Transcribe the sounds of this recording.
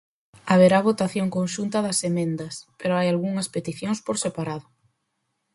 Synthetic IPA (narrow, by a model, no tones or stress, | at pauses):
aβeɾaβ̞ot̪aθjoŋkonʃunt̪ɐðɐsemẽnd̪ɐspeɾoajalɣuŋɐspet̪iθjoŋspoɾsepaɾaðʊ